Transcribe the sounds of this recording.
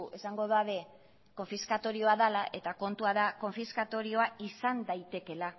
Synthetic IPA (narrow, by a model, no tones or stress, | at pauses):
e̞saŋɡo̞ðaβe̞ | ko̞ɱfiskat̪o̞ɾio̞aðalaʔe̞t̪ako̞nt̪uaðako̞ɱfiskat̪o̞ɾio̞aisand̪ajt̪e̞ke̞la